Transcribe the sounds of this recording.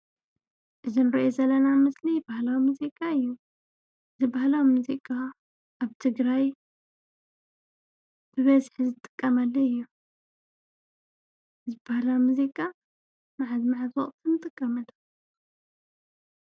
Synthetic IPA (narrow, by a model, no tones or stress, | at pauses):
ʔɨzinɨɾɐʔozɐlɐnamɨslibahlawimuzikʼaɨjːu | ʔɨzibahlawimuzikʼa | ʔaβt̪ʰɨɡɾaj | b̥ɨβɐzħizɨt̪ʼɨ̥kʼːɐmalːɐɨjːu | ɨzibahlawimuzikʼa | maʕazmaʕazwɔχʼt̪ʰɨnɨt̪ʼɨkʼːɐmɐlɐ